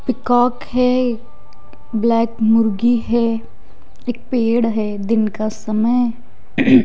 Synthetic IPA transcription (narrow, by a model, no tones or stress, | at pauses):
pɪkaːkɦɛ | blɛːkmʊɾɡiɦɛ | eːk̚peːɽɦɛ | d̪ɪnkasəməj